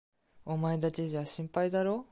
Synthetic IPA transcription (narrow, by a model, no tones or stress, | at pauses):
omaed̪at͡ɕiʑaɕĩmpaid̪aɾo̞ː